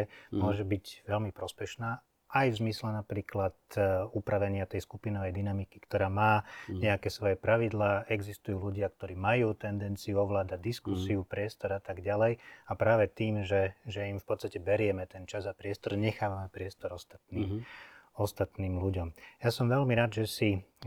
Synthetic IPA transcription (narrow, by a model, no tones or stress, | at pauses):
mʊɔʒɛbiɟʋɛlmipɾɔspɛʃnaː | ʔajvzmislɛnapɾiːklat̪upɾaʋɛɲɪat̪ɛjskupinɔʋɛjd̪inamiki̥kt̪ɔɾaːmaːɲɛakɛːsʋɔjɛpɾaʋid̪laːɛɡzist̪ujuːluɟɪak̚t̪ɔɾiːmajuːt̪ɛnd̪ɛnt͡sijuɔʋlaːd̪aɟ̚d̪iskusiupɾɪɛst̪ɔɾat̪aɡɟalɛjapɾaːʋɛt̪iːmʒɛʒɛimfpɔt͡sst̪acɛbɛɾɪɛmɛt̪ɛnt͡ʃazapɾɪɛst̪ɔɾɲɛxaːʋamɛpɾɪɛst̪ɔɾɔst̪ḁt̪̚niːmɔst̪at̪niːmluɟɔmjasɔmʋɛlmiɾaːd̪ʒɛsi